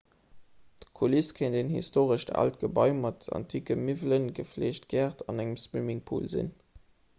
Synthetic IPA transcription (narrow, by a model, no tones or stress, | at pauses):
d̥kʰuliskʰəɪndenhḭstoːʁəʃta̰ltɡ̥əbɑ̰ɪmɑtɑ̰ntʰiːkəmivlənɡəfleːʃtɡæːʁtʰɑnæŋəmspimiŋpʰṵːlzḭn